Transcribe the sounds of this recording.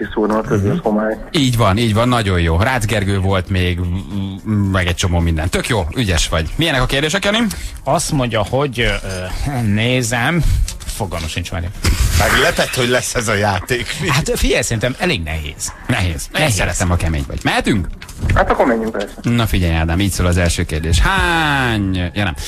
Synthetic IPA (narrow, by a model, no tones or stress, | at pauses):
kisuːrnukøzeshomaːj | iːɟvɒniːɟvɒnːɒɟo̞jjoːraːzɡɛrɡøːvo̞lt̪meːɡ | mɛɡɛc̚t͡ʃo̞moːmind̪ɛ̰nt̪økjoːyɟɛʃʋɒɟmijɛnɛkɒkeːrd̪eːʃ̬ɛkjɒni | ɒst̪mo̞ɲɟɒho̞ɟ | neːzɛmfoɡɒlmɒʃint͡ʃma̰ːɾimaɡlɛpɛt̪ho̞ɟlɛsːɛzɒjaːt̪eːkhat̪fiɟɛjsɛɾint̪ɛmɛleːɡnɛ̰ɦḛːz̥nɛɦeːz̥esɛɾɛt̪ɛmɒkɛmḛːɲvɒ̰ɟ̥mɛɦɛt̪yŋk | haːt̪ɒkːoɾmɛɲːyŋklɛrsɛnɒfiɟɛjaːd̪aːmiːcsoːlɒzɛlʃøːkeːrd̪eːʃhaɲjɒnɛ̰m